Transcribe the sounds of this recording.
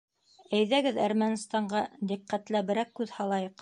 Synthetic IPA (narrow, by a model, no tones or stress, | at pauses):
æjðæɡɘðæɾmænst̪ɑɴɢɑd̪iqːæt̪læbɘ̆ɾækːʉðhɑlˠɑjɤq